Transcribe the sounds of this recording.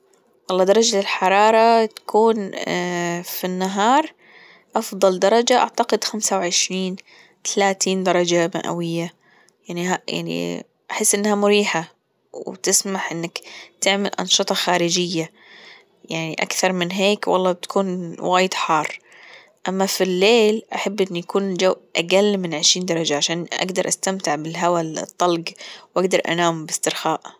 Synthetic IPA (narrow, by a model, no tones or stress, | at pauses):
wɑlˤːɑːd̪ɑɾˤɑd͡ʒalɪlħɑɾˤɑːɾˤɑt̪ḁkʰuːn | finːaɦɑːɾˤ | ʔɑfðˤɑld̪ɑɾˤɑd͡ʒaʔa̰ʕt̪aqɪd̪xamsawʕɪʃɾiːn | t̪ʰalaːt̪iːnd̪ɑɾˤɑd͡ʒama̰ʔa̰wɪjːa | jaʕniaja̰ʕnḭ | ʔaħɪsːʔɪnːhamʊɾiːħa | wt̪ɪsmaħʔɪnːakt̪ɪʕmalʔɑ̰nʃɨt̪ˤɑxaːɾɪd͡ʒɪjːa | jaʕniʔa̰kθɑɾˤmɪnɦeːkwɑ̰lˤːɑːbɪt̪kuːnwaːjɪd̪ħɑːrˤː | ʔamːafilːeːlʔaħabːʔɪnːujakuːnd͡ʒawʔʔaɡalːmɪnʕɪʃɾiːnd̪ɑɾˤɑd͡ʒaʕaʃaːnʔa̰ɡd̪ɑɾˤʔast̪amt̪ɪʕbɪlɦawal̰t̪ˤːɑlɡwʔaɡd̪ɑɾˤʔa̰naːmbɪst̪ɪɾxaːʔ